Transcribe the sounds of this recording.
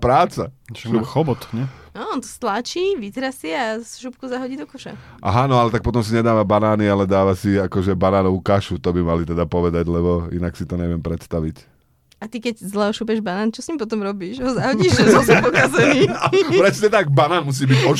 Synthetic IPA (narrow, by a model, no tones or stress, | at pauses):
pɾaːt͡saxɔbɔt̪ɲɛnɔɔnt̪ɔ̥st̪lat͡ʃiːʋit̪ɾasiasʃupkuzaɦɔɟiːd̪ɔkɔʃɛ̰ | ʔa̰ɦanɔalɛt̪ak̚pɔt̪̬ɔmsiɲɛd̪aːʋabanaːnialɛd̪aːʋasiakɔʒɛbanaːnɔukaʃut̪ɔbimalit̪ɛd̪apɔʋɛd̪aɟlɛbɔḭnaksit̪ɔɲɛʋɪɛmpɾɛt̪st̪aʋic | at̪ikɛɟzlɛɦɔʃupjɛʒbanaːnt͡ʃɔsɲiːmpɔt̪̬ɔmɾɔbiːʃɦɔzaɦɔɟiːʒɛɔsɔpɔkazɛniːapɾɛsɲɛt̪aɡ̚banaːnmus̬iːbiɟɔ